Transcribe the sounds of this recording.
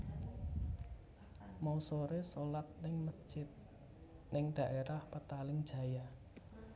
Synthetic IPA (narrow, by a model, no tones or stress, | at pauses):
mausoɾesolat̪̚nɪŋmə̥ʒ̥ɪt̪̚ | nɪŋɖ̪̥a̤ʔeɾahpət̪alɪŋd̥ʒ̥a̤ja